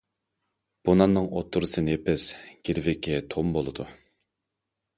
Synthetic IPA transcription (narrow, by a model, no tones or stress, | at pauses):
b̥onɑnːɨŋot̪ʰːuɾɨsɨnɨepʰɛsɡʲiɾvɪkʲʰːɛt̪ʰombolˠɨd̪u